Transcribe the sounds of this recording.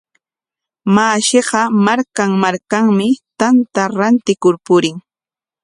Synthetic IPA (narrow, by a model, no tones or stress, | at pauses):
maːʃeɢɑmaɾkaŋmaɾkaŋmɪt̪ant̪aɾant̪ɪkʊɾpʊɾɪŋ